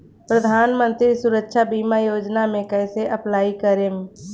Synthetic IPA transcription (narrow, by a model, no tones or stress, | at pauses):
pɾəd̪ʱaːnmə̃nt̪ɾisʊɾəkʃabiːmajoːd͡ʒnamẽkɛːseʔəplaːikəɾem